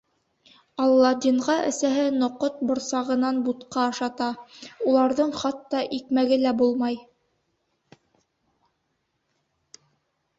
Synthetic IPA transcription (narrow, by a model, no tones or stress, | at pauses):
ɑlˠːɑd̪iɴʁɑʔɘ̰̆sæɦɘnŏqot̪̚bŏɾsɑʁɤ̆nɑnbut̪qɑɤʃɑt̪ɑulˠɑɾðɤɴχɑt̪ːɑʔikmæɡɘlæbulˠmɑj